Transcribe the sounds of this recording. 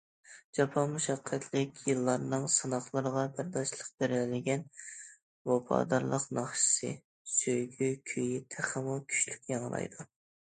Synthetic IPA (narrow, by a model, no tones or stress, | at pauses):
d͡ʒɑpʰɑnmuʃɑqʰːɛt̪ʰlɪkʲjɨlˠːɑɾnɨŋsɨnɑχlˠəɾəʁɑbæɾd̪ɑʃlˠəq̚b̥eɾlɪɡʲɛn | wɑpʰɑ̰ːd̪ɑɾlˠəqnɑχʃɨ̥sɨ̰ | søjɡʲykʲʰøjit̪ʰæχəmukʲʰy̥ʃlykʲjɑŋlˠɑ̰jd̪u